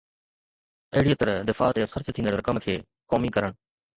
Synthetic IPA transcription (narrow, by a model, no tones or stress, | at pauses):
ɐɦɪɽiːət̪əɾd̪ɪfa̰ːt̪ːxəɾt͡ɕət̪ʰĩːnd̪əɾɐkəmkʰeː | koːmikɐɾəɽ̃